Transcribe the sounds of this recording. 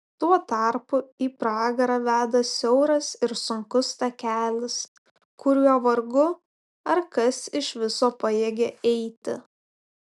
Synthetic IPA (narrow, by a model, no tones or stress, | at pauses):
t̪uɔt̪ɐɾpʊiːpɾɑːɡɐɾɐʋʲæːd̪ɐsʲɛʊɾɐsɪɾsʊŋkʊst̪ɐkʲæːlʲɪs | kʊɾʲuɔʋɐɾɡʊ | ɐɾkɐsɪʃʋʲɪsoːpɐjeːɡʲeʔɛɪt̪ʲɪ̰